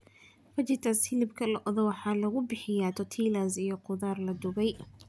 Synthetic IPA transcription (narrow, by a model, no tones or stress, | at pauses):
fɐt͡ʃɪt̪ʰashɪlɪbkʰɐlɐʔɔðɔwɑħɑːlɐɣʊbɪħɪjaːt̪ʰɔt̪ʰiːlaːsijɔqʊðaːrlɐd̪ʊβɛj